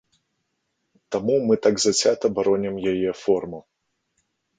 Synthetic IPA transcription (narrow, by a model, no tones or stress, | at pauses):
t̪amumɨt̪aɡzat͡sʲat̪ɐbaɾɔnʲɛmjajɛfɔrmɐ